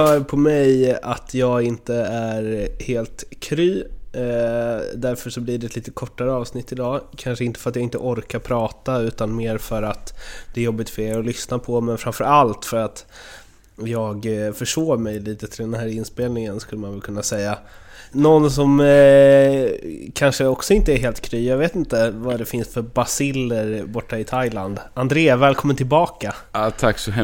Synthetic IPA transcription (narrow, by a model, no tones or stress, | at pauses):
œːɾpʰɔmɛjat̪ʰjɑːɡɪnt̪əæɾheːlt̪kʰɾyː | d̪æɾfœʂɔbliɖɛt̪liːt̪əkʰɔʈːaɾəɑːvsnɪt̪ːɪd̪ɑːkʰanʂəɪnt̪əfœɾat̪jaɡɪnt̪ə̰ʔɔɾkaɾpʰɾɑːt̪aʉ̟ːt̪anmeːɾfœɾat̪d̪̥ɛɾjɔbːɪt̪fɛɔlʏsnapʰɔmɛnfɾamfœɾalt̪fœɾat̪ | jɑːɡfœʂoːɾmɛjliːt̪ət̪ʰɪld̪ɛnhæːɾɪnspeːlnɪŋənskɵlːəmanvɛlkʰɵnːasɛjːa | nɔnːsɔm | kʰanʂəɔksɔɪnt̪əɛɾɦeːlt̪kʰɾyːjɑaɡveːt̪ɪnt̪əvad̪ɛfɪnsfœɾbasɪlːəɾbɔʈːaɪt̪ʰajland̪and̪ɾeːavɛːlkʰɔmːənt̪ʰɪlbɑːkat̪ʰaksɔɛ